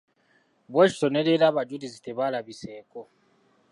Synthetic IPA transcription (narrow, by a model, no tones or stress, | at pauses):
bɔʃsɔnɛlɛlaβad͡ʒudizitɛβalaβisɛːkʼɔ